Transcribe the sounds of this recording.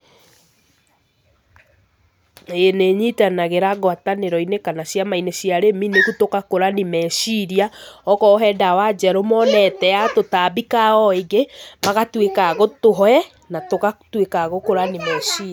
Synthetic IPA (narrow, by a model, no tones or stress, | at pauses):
eneɲitanaɣeɾaɣwataneɾɔinekanasjamainesjaɾeminekutokakoɾanimɛsiɾiaɔkɔɦɛdawad͡ʒɛɾomɔnɛtɛatotaːbikaɔeɡemaɣatwekaɣotoɦɔɛ | natoɣatwekaɣokoɾanimɛsiː